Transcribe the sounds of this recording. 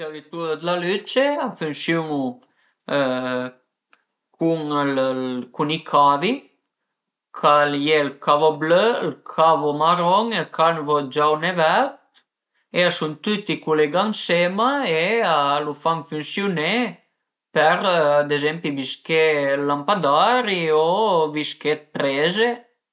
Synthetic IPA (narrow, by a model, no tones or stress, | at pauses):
t̪eɾit̪uɾəd̪əlalyt͡ʃeafynsjuŋu | kʰuŋllkunikʰavi | kʰaljelkʰavoblølkʰavomaɾɔŋelkʰanvod͡ʒawnevɛt̪̚ | easunt̪ut̪ikuleɡaŋsemaealufaŋfynsjune | pɛɾd̪ezɛmpibiskelampad̪aɾioviskepɾeze